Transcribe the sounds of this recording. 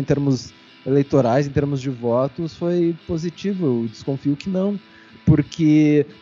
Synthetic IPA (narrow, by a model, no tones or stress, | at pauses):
ẽt̪eɾmʊz | elejt̪oɾajzẽt̪eɾmʊzd͡ʒɪvɔt̪ʊsfojpozit͡ʃivʊed͡ʒɪ̥skõfiʊkɪnɐ̃w̃ | pʊɾkʰɪ